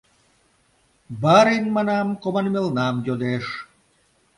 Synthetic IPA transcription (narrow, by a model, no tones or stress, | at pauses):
bɑɾenmɑnɑmkomɑnmʲelnɑmjod̪eʃ